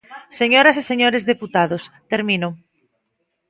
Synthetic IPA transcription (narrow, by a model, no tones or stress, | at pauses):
seɲoɾaseseɲoɾezðeput̪aðost̪eɾmĩno